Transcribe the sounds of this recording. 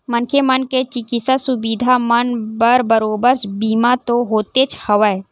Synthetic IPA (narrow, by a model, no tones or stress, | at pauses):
mənkʰemənket͡ʃɪkisasʊbiːd̪ʱamənbəɾbəɾoːbəɾsbiːmat̪oɦoːt̪et͡ʃʰhɐʋə